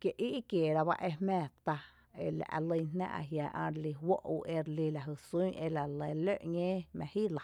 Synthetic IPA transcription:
kje˧ʔi˦ʔi˦kje˨ɾa˧ba̰˦ʔe˧hmɛ̃ː˧˨t̪a˧ | e˧la̰˨ʔa̰˧lə˧jnnã̰˦ʔa̰˧ɦjaː˨ʔã̰˧ɾli˧wo˦ʔu˧ʔe˧ɾli˧la˨ɦɨ˧˨su˦ʔe˧la˨lə˧˨lø˦˨ʔɲẽː˦mɛ̃˧hiː˦la˨

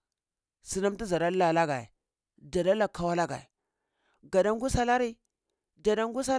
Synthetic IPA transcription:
si˨na˦m˦ti˦za˨ɾa˦la˨la˦ɡa˨jḛ˨ | d͡ʒa˨da˦la˨kʰːa˨wa˦la˦ɡa̰˨ḛ˨ | ɡa˨da˦ŋɡu˦sa˦la˦ɾi˦ | d͡ʒa˨da˦ŋɡu˦s̬a˦

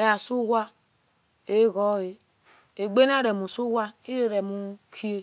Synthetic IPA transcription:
e˨˦a˨su˦wʷa˦ | e˦ɣɔ˦e˨ | e˨ɡ͡be˦na˦˨ɾe˨mu˨su˦wʷa˦i˦ɾe˦ɾe˨mu˨kʰi˦e˦

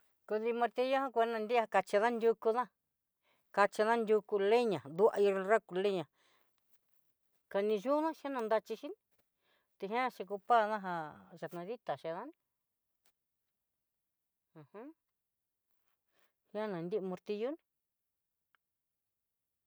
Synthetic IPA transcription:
ku˧ði˧mõ˧ɾt̪i˧jo˦hã˦kʷnã˧nd̪i˦a˧ka˧t͡ʃi˧ðã˦nd̪ʲu˧ku˧ðã˦ | ka˧t͡ʃi˧ðã˦ndʲu˧ku˧le˦ɲã˨d̪u˧a̰˧i˧ɾra˦ku˧le˦ɲã˨ | ka˧nĩ˧ʒu˦nã˦ʃa˦nã˧nd̪a˧t͡ʃi˧ʃi˦nĩ˧ | t̪e˧ɦj̃ã˦˧ʃe˧k̬u˧pa˦˧ðã˦ɦa˧ʒa˧t̪nã˧ði˦t̪a˨ʃe˧ðã˦nĩ˧ | ã˨hã˦ | hã˦nã˨nd̪i˦˧mõ˧ɾt̪i˧ju˦nĩ̥˧

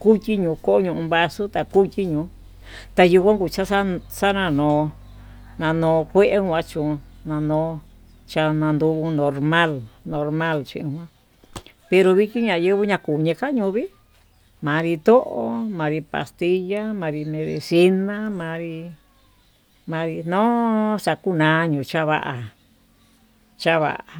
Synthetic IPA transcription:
ku˦t̪ʲi˦ɲũː˨˧ko˦o˦ɲũ˧ʔũ˧βa˧su˦t̪a˨ku˦t̪ʲi˦ɲũː˨˧˦ | t̪a˧ju˧kʷã˦ŋku˧˨t͡ʃa˦sa˦sa˦nã˧nõː˨˧ | nã˧nõː˧kʷe˦ʔe˦hʷã˧˦t͡ʃũ˨˧nã˧nõː˧ | t͡ʃa˧nã˧nd̪u˧ku˧nõ˧ɾmã˦lnõ˧ɾmã˦lt͡ʃĩ˧ĩ˧hʷã˦ | pe˧ɾo˧βi˦˧ki˦ɲã˧˨jɨ˦βɨ˦ɲã˧ku˨ɲẽ˧ka˦ɲũ˧βi˦ | mã˨˧ɾi˧t̪o˦ʔo˧˦mã˧ɾi˧pa̰˧st̪i˧ja˦mã˧ɾi˧mẽ˧ðḛ˧si˧nã˦mã˧ɾi˧ | mã˧ɾi˧nõ˦sa˨ku˦nãː˨˧˦ɲũ˨t͡ʃa˦βa˦ʔa˧ | t͡ʃa˦βa̰˧ʔa˧

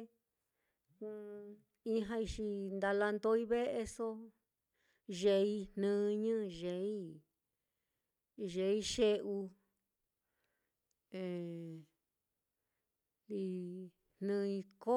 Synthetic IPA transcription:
i˦ɦã˧i˧ʃi˧nd̪a˧la˧nd̪o˧˦i˦βe˦ʔe˧so˦ | ʒe˧i˧n̥nɨ̃ː˦˧ɲɨ̃˦ʒe˨˦i˦ | ʒe˧˦i˦ʃe˦ʔu˧ | ẽ˨ | li˧ | n̥nɨ̃˧i˧ko˦

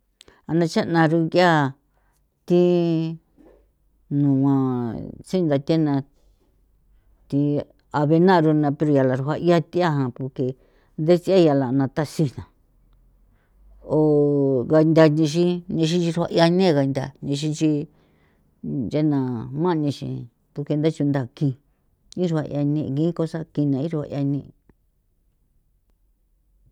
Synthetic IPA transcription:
a˧nã˧t͡ʃa˦˧nã˧ɾu˧ka˦˨ | t̪i˧ | nũ˨ã˧t͡si˦˧nd̪a˧t̪ʲe˦nã˧ | t̪i˧ | a˧βe˧nã˦˧ɾu˧nã˧pe˧ɾo˧ja˨la˨ɾu˧ɦʷa˧ʔi˦a˧t̪i˦a˦ɦã˧po˧ke˧ | nd̪e˦t͡si˧˦a˦ja˧la˨˧nã˧t̪a˦si˧nã˨ | o˧˨ɣa˧nd̪a˧ɲĩ˧ʃ̬ĩ˦ɲĩ˧ʃ̬ĩ˦t͡ʃi˧ɾha̰˧ʔja˧nẽ˦˧ɣa˧nd̪ʲa̰˧˨ɲĩ˧ʃ̬ĩ˧t͡ʃi˧ | ja˦nã˨mã˦ʔnĩ˧ʃḭ̃˧˨ | pu˧ke˧nd̪a˦t͡ʃu˧nd̪a˧˨kĩ˧ | ĩ˦ɾu˧ha˧ʔj̰a˧nĩ˧ɣĩ˦ko˧sa˦kĩ˧nã˧ĩ˦ɾha̰˧ʔj̰a˧nĩ˧

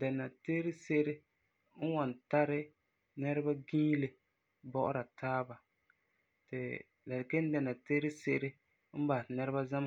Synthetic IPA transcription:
dɛ˨na˨teː˦ɾɪ˦se˦ʔɾɪ˦ | n̩˦wɔ˨n˨ta˦ɾɪ˦ | nɛ˦ɾɪ˦ba˦ɡĩː˦le˨ | bɔ˦ʔʊ̰˦ɾa˨tʰaː˦ba˨ | tɪ̰˨ | la˨dɪ˨ke˦n˦dɛ˨na˨teː˦ɾɪ˦se˦ʔɾɪ˦ | m̩˦ba˨nɛ˦ɾɪ˦ba˦za˦ma˨

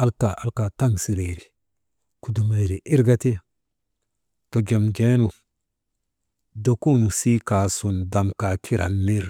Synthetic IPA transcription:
a˦lka˨ʔa̰˦lka˨ta˦ŋsi˨ɾe˨ɾi˨ | ku˨du˨ma˨jɾi˨ʔi˦ɾɡa˦te˦a˨ | to˨ɡe˨mɡe˦nu˨ | do˨ku˦nu˨si˦ka˨su˨nda˨mka˨kʰi˦ɾʔa̰˨nmi˦ɾ

